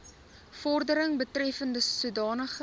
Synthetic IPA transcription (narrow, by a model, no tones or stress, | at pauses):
fɔrdəɾəŋbətrɛfəndəsudɑːnəχ